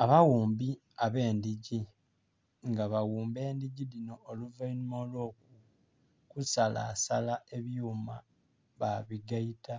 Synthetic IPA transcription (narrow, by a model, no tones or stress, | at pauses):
aβawuːmbi | aβe̞ːndiɟi | ŋɡaβawuːmbe̞ːndiɟilino̞ːluvainimolwo̞ːk̚u | kusala̰ːsalae̞βjuːma | βaβiɡaita